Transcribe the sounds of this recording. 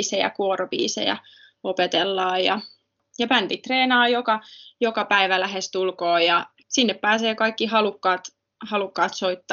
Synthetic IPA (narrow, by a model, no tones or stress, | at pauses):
sejæ̰kuorobḭːsḛjæ̰ | opet̪elːɑːjɑ | jɑpænt̪it̪reːnɑːjokɑjokɑpæiʋælæɦest̪ulkoːjɑ | sinːeppæːseːkɑikːihɑlukːɑːt̪ | hɑlukːɑːt̪soit̪ːɑ